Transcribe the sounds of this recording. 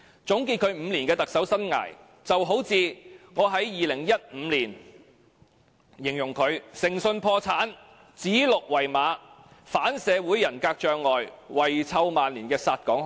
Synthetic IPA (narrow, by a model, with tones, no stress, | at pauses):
t͡sʊ˨˥ŋkiː˧t̚kʰɵ˨˧ɥm̩˨˧liː˨˩nkɛː˧t̪ɐ˨k̚sɐ˨˥wsɐ˥nŋa̰ː˨˩j | t͡sɐ˨wɦo˨˥wt͡siː˨˧ŋɔː˨˧ɦɐ˨˥jːiː˨lɪ˨˩ŋjɐ˥t̚m̩ː˨˧liː˨˩n | jɪ˨˩ŋjʊ˨˩ŋkʰɵ˨˧ɥsɪ˨˩ŋsɵ˧npʰɔː˧t͡sʰaː˨˥n | t͡siː˨˥lʊ˨k̚wɐ˨˩jmaː˨˧˥ | faː˨˥nsɛː˨˧wu˨˥jɐ˨˩nkaː˧k̚t͡ʃœː˨˧ŋlɔː˨jwɐ˨jt͡sʰɐ˧wmaː˨nliː˨˩nkɛː˧saː˧t̚kɔː˨˥ŋ